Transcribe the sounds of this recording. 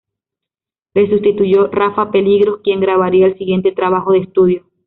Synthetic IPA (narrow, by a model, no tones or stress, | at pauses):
le̞sust̪it̪uʝo̞rafape̞liɣɾo̞skje̞ŋɡɾaβaɾiaelsiɣje̞nt̪e̞t̪ɾaβaxoðest̪uðjo